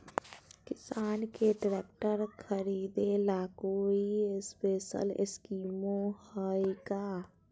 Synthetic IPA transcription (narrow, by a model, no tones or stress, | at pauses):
kɪsaːnkeɖɾeːk̚ʈəɾkʰəɾiːd̪elakoːiɪspeːʃə̰lɪ̰skiːmõhəiɡaː